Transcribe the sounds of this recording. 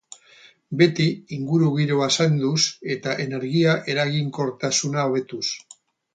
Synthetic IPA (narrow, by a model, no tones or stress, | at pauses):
be̞t̪iːŋɡuɾuɣiɾoasand̪use̞t̪aʔe̞ne̞ɾɣiaʔe̞ɾaɣiŋko̞ɾt̪asunaoβe̞t̪us